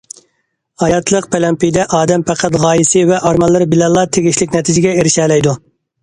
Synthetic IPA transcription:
ɑjɑt̪ʰlˠəqpʰɛlɛmpijd̪ɛʔɑːd̪ɛmpʰæqʰæt̪ʁɑːjisɨɪvɛʔɑɾmɑlˠːɨɾbɪlɛlˠːɑt̪ʰeɡʲiʃlɪkʲnɛt̪ʰɪd͡ʒɪɡʲɛeɾɪʃɛːlɛjd̪u

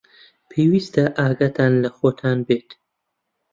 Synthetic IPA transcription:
pʰeːwist̪ɐʔaːɡɐt̪ʰaːnlɐxoːt̪ʰaːnbeːt̪

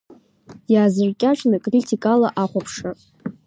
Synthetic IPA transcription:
jaːzɨrkʲʼaʈ͡ʂʷʼnɨkʼritʰikʼalaʔaχʷapʰʂa

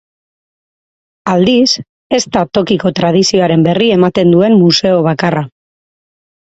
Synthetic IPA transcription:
ald̪is | e̞st̪at̪o̞kiko̞t̪ɾað̞isio̞aɾe̞mbe̞rie̞mat̪e̞nd̪ue̞mmuse̞o̞β̞akara

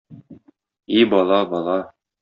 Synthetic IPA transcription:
ibɒlˠɑbɒlˠɑ

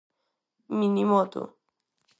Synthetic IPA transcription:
minimɔt̪o̰

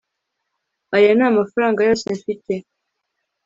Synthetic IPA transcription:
ajanaːmafaɾaːŋɡajoseɱfite

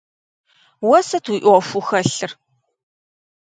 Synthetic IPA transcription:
wɔsɐtʰwuʔfuxɐɬɨr

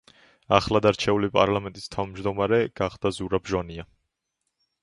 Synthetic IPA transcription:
aχlad̪aɾt͡ʃʰɛulipʼaɾlamɛnt̪ʼist̪ʰavmd͡ʒd̪ɔmaɾɛɡ̥aχd̪̥azuɾabʒania

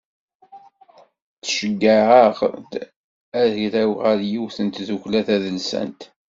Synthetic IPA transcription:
θʃəɡːəəʁ | æðiɾæwʁəɾjiwθənt̪ðuçlæθæðəlsə̰nt̪

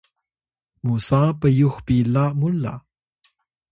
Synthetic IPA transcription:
musaːpəjuxpilamula̰

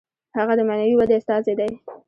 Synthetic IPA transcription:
haɣad̪əmanawiwad̪east̪ɑzed̪aj

